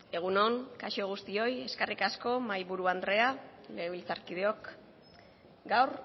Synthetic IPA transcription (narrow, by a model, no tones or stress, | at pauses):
e̞ɣ̞uno̞ŋkaʃo̞ɣ̞ust̪io̞je̞skerikasko̞majβuɾuand̪ɾe̞ale̞ɣeβilt͡saɾkið̞eo̞k | ɡawɾ